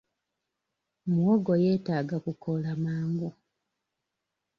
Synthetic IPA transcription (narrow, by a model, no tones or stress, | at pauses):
mwoɡojeːtaːɡakukʰolamaːŋɡu